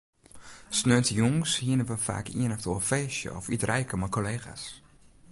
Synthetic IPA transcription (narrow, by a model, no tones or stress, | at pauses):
snøətəjɔŋshiənəʋəfa̰ːkḭənɔftoəfeːsjə̰ɔfitrɛjkəmakoleːxa̰s